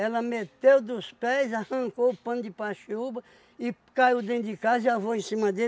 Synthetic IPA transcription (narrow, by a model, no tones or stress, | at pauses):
ɛlɐmet̪ewd̪ʊspɛjzahɐ̃ŋkoʊpɐ̃nd̪ɪpaʃiubɐ | ɪkaiwd̪ẽt̪d̪ɪkaziavoẽsĩmɐd̪e